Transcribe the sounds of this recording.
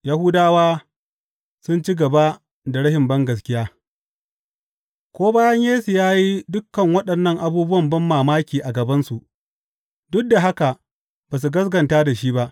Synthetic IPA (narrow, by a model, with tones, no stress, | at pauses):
ja˦hʊ˦daː˦waː˦ | sʊ˦nt͡ʃi˦ɡɐ˨ba˦ | da˨ɽɐ˦hɪ˨mbɐ˦ŋɡɐ˨s̬kʲɪ˦jaː˦ | kʷoː˦baː˦jɐ˦ɲjeː˦su˨jaː˦ji˦dʊ˦kːɐ˨ŋwɐ˦ɗɐ˨nːɐ˦˨ŋʔa˨buː˦bʊ˦wɐ˨mbɐ˦mːaː˨maː˦kʲiː˨ʔa˨ɡɐ˨bɐ˦nsu˨ʔ | dʊ˦k̚da˨ɦa˦ka˨ | baː˨s̬u˨ɡɐ˦s̬ɡɐ˨ntaː˦da˨ʃiː˦ba˦ʔ